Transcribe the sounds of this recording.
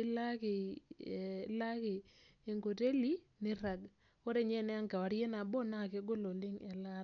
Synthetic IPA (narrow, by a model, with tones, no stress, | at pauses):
ɪ˦la˦kɪ˨˦ | la˦kɪː˨ŋɡo˨te˦li˦ | nɪ˦ɾa˨ɡ | o˦ɾe˦˨ɲɛ˦˨nɛ˦a˦ŋka˨wa˨˦ɾje˦na˨bɔ˦na˦˨ke˦ɡo˦lo˨lɪ˦ŋɛ˨la˦